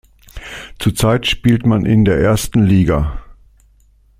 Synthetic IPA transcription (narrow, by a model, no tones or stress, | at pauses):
t͡suːɐt͡saɪtʃpiːltmanʔɪ̰ndeːɐʔeːɐstn̩liːɡa